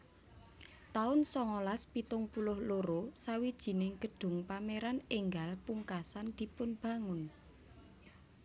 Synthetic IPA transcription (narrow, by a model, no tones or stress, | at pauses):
t̪aʊnsɔŋolaspit̪ʊŋpulʊhloɾosawid̥ʒ̥i̤nɪŋɡ̥ə̤ɖ̥ʊ̤ŋpameɾanɪŋɡalpuŋkasand̪̥i̤pʊnb̥a̤ŋʊn